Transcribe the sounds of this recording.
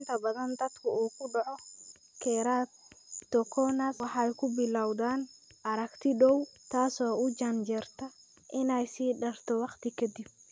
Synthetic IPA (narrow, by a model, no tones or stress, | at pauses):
nt̪ʰɐbɐðɐnd̪ɐt̪kʰʊuːkʊɖɐʕɔ | kʰɛɾaːt̪t̪ːɔkʰɔnaswɑħɑjkʊbɪlawðaːnʔɐɾɐkt̪ʰɪɗɔwt̪ʰaːsɔːʊd͡ʒand͡ʒɛrt̪ʰɐ | ʔɪnajsiːɗɐrt̪ɔwɑqt̪ɪkʰɛd̪ɪb̚